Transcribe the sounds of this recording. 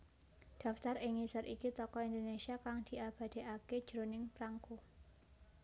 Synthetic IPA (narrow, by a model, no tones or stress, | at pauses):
d̥a̤ft̪arɪŋisəɾʔikit̪ɔkɔind̪onesiakaŋd̪̥i̤ʔab̥a̤d̪̥e̤ʔaked̥ʒ̥ɾonɪŋpɾaŋko